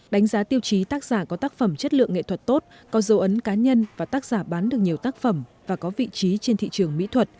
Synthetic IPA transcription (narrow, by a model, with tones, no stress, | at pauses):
ɗa˨˦jŋ̟zaː˨˦t̪i˧əwt͡ɕi˨˦t̪aː˦˥k̚z̥aː˧˩kɔ˨˦t̪aː˦˥k̚fə˧˩mt͡ɕə˦˥t̚lɨ̰˧˨əŋːḛ˧˨t̪ʰwə˨˩t̚t̪o˦˥t̚ | kɔ˨˦zə˨˦ʔə˨˦nkaː˨˦ɲə˧nvaː˨˩t̪aː˦˥k̚z̥aː˧˩ɓaː˨˦nɗɨ˨˩ək̚ɲi˨˩əwt̪aː˦˥k̚fə˧˩mvaː˨˩kɔ˨˦vḭ˧˨t͡ɕi˨˦t͡ɕe˧nt̪ʰḭ˧˨t͡ɕɨ˨˩əŋmḭ˧˥t̪ʰwə˨˩t̚